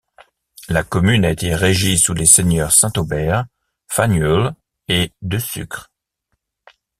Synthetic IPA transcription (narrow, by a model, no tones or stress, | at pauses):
lakɔmynaet̪eʁeʒisuleseɲœʁsɛ̃t̪obɛʁ | fanjɔl | ed̪øsy̰kχ